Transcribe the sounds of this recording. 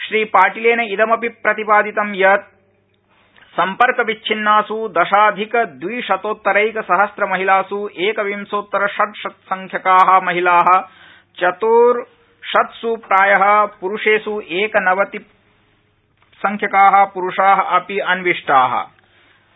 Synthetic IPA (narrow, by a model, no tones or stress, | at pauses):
ʃɾiːpaːʈileːnɐid̪ɐmɐpipɾɐt̪ipaːd̪it̪ɐmjɐt̪̚ | sɐmpɐɾkɐʋit͡ʃːt͡ʃʰinːaːsud̪ɐʃaːd̪ʱikɐd̪ʋiːʃɐt̪oːt̪ːɐɾɐjkɐsɐɦɐsɾɐmɐɦilaːsuʔeːkɐʋimsoːt̪ːɐɾɐʃɐt̪̚ʃɐt̪sɐŋkʰjɐkaːɦɐ̆mɐɦilaːɦɐ̆ | t͡ʃɐt̪uːɾ | ʃɐt̪suːpɾaːjɐɦɐ̆puɾuʂeːsuʔeːkɐnɐʋɐt̪i | sɐŋkʰjɐkaːɦɐ̆puɾuʂaːɦɐ̆ʔɐpiɐnʋiʂʈaːɦɐ̰